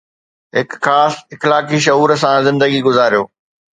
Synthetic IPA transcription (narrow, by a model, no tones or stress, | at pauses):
ɦɪkxaːsɪxlaːkiʃ̬ɐɦuːɾs̬ãzɪ̃nd̪əɡiɡʊzaːɾijoː